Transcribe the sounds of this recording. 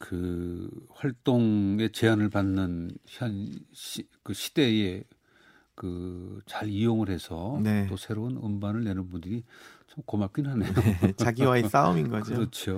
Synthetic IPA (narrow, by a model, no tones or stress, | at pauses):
kɯ | ɸwaɭt͈oŋe̞t͡ɕe̞anɯɭpanːɯnanɕikɯɕʰi̥de̞e | kɯt͡ɕaɾijoŋɯɭhesʰʌnet͈osʰe̞ɾounɯmbanɯɭne̞nɯnbundɯɾit͡ɕʌmkomap̚k͈innɦanejot͡ɕaɡiwaes͈aominɡʌkd͡ʑiɯɾʌt͡ɕʰo